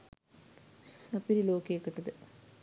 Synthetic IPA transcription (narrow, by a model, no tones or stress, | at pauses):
sɐpiɾiloːkːiekːeʈːɐðɨ